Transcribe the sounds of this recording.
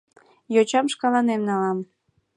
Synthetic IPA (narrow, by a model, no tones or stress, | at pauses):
jot͡ɕɑmʃkɑlɑnemnɑlɑm